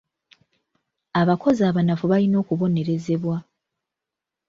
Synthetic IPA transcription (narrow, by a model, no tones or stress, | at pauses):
aβako̞zaːβanafuβalino̞ːkuβo̞ne̞ɾe̞ze̞βwa